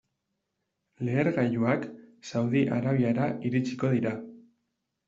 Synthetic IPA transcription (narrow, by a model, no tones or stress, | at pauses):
le̞ːɾɣajuaksawðiʔaɾaβ̞iaɾaʔiɾit͡si̥ko̞ðiɾa